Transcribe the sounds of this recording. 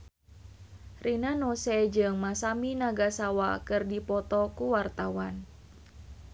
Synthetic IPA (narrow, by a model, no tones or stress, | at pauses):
rʔinanɔsɛd͡ʒɨŋmasaminaɡasawakɨrdipɔt̪ɔkuwart̪awan